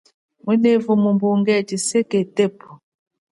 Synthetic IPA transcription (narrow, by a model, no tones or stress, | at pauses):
mɛnevumumbuŋɡɛtiseketepu